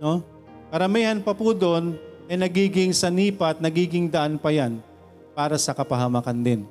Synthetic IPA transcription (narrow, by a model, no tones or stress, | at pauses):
no̞ | kɐɾɐmiːhɐnpɐpud̪o̞nʔɐjnɐɡiːɡɪŋsɐniːpɐt̪̚nɐɡiːɡɪŋd̪ɐʔanpɐjan | paːɾɐsɐkɐpɐɦɐmakɐnd̪ɪn